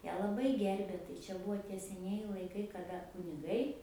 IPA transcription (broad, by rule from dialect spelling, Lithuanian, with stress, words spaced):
ˈjæː lˠɐˈbɐɪ ˈɡʲɛrʲbʲeː tɐɪ ˈt͡ʃʲɛ bʊˈʋoː tʲiɛ sʲɛˈnʲiɛjɪ lˠɐɪˈkɐɪ kɐˈdɐ kʊnʲɪˈɡɐɪ